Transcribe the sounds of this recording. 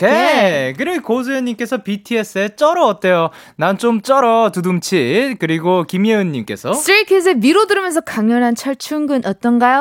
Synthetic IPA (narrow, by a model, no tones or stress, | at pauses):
kekɯɾikos̬ʰɯjʌɲːimk͈e̞sʰʌpitʰie̞s͈ʰɯet͡ɕ͈ʌɾʌːt͈ejo | nant͡ɕ͈omt͡ɕ͈ʌɾʌtudumt͡ɕʰikɯɾiɡokimiɯɲːimk͈e̞̰sʰʌst͈ɾikʰes̬ʰemiɾodɯɾɯmjʌnsʰʌkaŋjʌnɦant͡ɕʰʌɭt͡ɕʰuŋɡɯnʔʌt͈ʌnɡajo